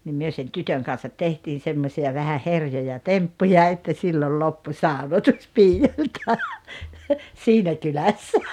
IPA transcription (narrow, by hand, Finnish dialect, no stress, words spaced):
nim myø sen tytøŋ kɑn̞sɑt tehtiːn̞ semːosʲiɑ ʋæhæ herjojɑ tempːujɑ etːæ silːol lopːu sɑˑonotus piːjolʲtɑ siːnæ kylæsːæ